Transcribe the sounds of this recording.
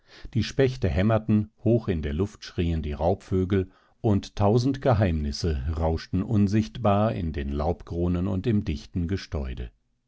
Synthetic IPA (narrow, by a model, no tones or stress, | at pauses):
d̥iːʃpɛçtəɦɛmɐtn̩hoːxɪndeːɐlʊftʃʁ̥iːəndiːʁaʊpføːɡl̩ | ʔʊnttʰaʊzn̩tɡ̥əɦaɪmnɪsəʁaʊʃtn̩ʔʊnzɪçtb̥aːɐɪ̰ndeːnlaʊpɡ̥ʁoːnənʊ̰ntɪmdɪçtn̩ɡəʃtɔʏdə̰